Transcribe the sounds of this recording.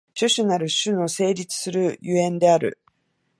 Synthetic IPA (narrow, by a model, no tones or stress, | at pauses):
ɕɨɕɨnaɾɯ̟ɕɨno̞se̞ːɾʲit͡sɨ̥sɨɾɯ̟jɯẽ̞nd̪e̞aɾɯ̰